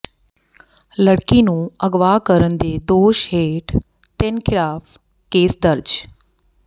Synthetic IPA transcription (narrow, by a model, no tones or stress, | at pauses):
ləɽkinũəɡʋakəɾənd̪ed̪oːʃɦeʈ | t̪enkʰɪlaːf | keːsd̪əɾd͡ʒ